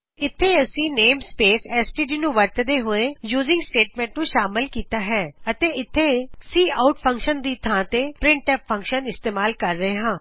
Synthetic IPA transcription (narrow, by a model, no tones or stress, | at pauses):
ɪt̪ʰːeːəsĩːneːmspeːsɛːsʈiːɖiːnũːʋəɾt̪d̪eːɦoːeːjuːzɪ̃ŋɡsʈeːʈmɛ̃ːɳʈnũːʃaːmɪlkiːt̪aːɦɛːət̪eːɪt̪ʰːeːsiːaʊʈpʰə̃ŋkʃənd̪iːt̪ʰãːt̪eːpɾɪ̃ɳʈɛːpʰːə̃ŋkʃənɪst̪eːmaːlkəɾːəɦeːɦãː